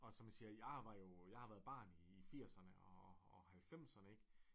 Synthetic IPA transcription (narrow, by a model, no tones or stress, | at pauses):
ɒ̽sɒ̽mæsiːɐjɑ̈ɪʋɑ̈jo̝jɑ̈ɪhɑ̈ʋæːɐðˠb̥ɑ̈ːniːfiɐ̰sɐnəɒːhælfem̰sɐnəeɡ̥